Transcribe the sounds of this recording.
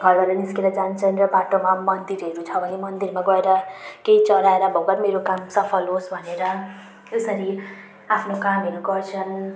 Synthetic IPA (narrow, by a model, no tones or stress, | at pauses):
bʱʌlɡʌɾʌniskeɾʌd͡zant͡sʰʌnrʌbaʈomamʌnd̪iɾɦeɾut͡sʰʌbʱʌnemʌnd̪iɾmaɡʌeɾʌkejt͡sʌɾaeɾʌbʱʌkʌɾmeɾokamsʌpʰʌlɦosbʱʌneɾʌ | esʌɾi | apʰnokamɦeɾuɡʌrt͡sʰʌn